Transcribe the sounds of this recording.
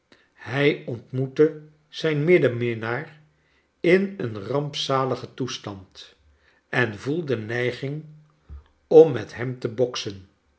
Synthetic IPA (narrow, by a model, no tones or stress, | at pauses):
hɛjɔntmutə | z̥ɛjnmɪdəmɪnaːr | ɪnənrɑmpsaːləχətustɑnt | ɛnvulˠdənɛjχɪŋ | ɔmːɛtɦɛmtəbɔksən